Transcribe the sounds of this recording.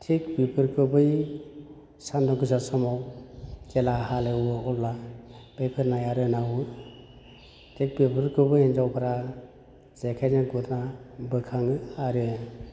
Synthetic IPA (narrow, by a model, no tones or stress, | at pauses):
tʰikbipʰɯɾkʰɯbɯj | sandɔɡɯzasɔmɔwkelahalewɯɔllab̥epʰɯɾnajaɾɯnaɦu | tʰek̚bipʰɯɾkʰɯbɯjend͡ʒawpʰaɾa | z̥ekʰajnaɡuɾnabɯkʰaŋɯaɾɯ